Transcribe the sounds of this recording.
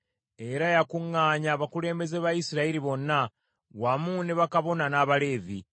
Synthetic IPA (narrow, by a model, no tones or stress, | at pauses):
e̞ɾajakuŋːaːɲaβakule̞ːmbe̞zeβajisiɾaiɾiβo̞nːa | wamuneβakaβo̞nanaːβale̞ːvḭ